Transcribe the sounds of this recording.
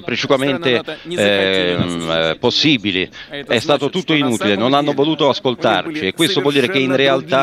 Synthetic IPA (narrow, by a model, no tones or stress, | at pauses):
pɾet͡ʃikwament̪e | posːiːbiliɛst̪aːt̪ot̪ut̪ːoinuːt̪ilenonanːovoluːt̪oaskolt̪a̰rt͡ʃiɛkːwest̪ovwɔld̪iːɾek̟einrealt̪a